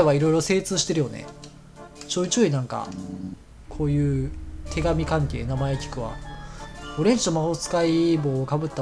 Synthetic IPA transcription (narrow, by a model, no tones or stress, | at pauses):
eβaiɾo̞iɾo̞se̞ːt͡sɨːɕi̥t̪e̞ɾɯ̟jo̞ne̞̰ | t͡ɕoːit͡ɕoːinãŋka̰ | kʰo̞ːjɯ̟ːt̪ʰe̞ɡamʲikãŋke̞ːnamae̞kʲi̥kɯ̟βa̰ | oɾẽ̞ɲd͡ʑinomahot͡sɨ̥kaiboːkabɯ̟t̪ːa